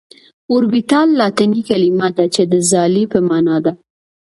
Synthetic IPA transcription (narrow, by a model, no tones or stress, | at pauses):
ʊɾbit̪ɑlːɑt̪anikalimad̪at͡ʃed̪əzɑlipəmɑnɑd̪a